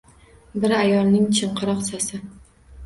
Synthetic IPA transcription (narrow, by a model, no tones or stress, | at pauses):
bɪɾajɒlˠnɪŋt͡ʃʰɨɴqʰɨɾɒqsasɪ